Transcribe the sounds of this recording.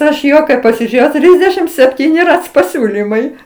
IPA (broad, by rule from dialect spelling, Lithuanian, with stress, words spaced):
ˈɐʃ ˈjoː kɐɪ pɐsʲɪˈʒʲeːjɛʊ ˈtʲrʲiːzʲdʲɛʃʲɪm sʲɛpʲˈtʲiːnʲɪ ˈrɐt͡s pɐˈsʲuːlʲiːmɐɪ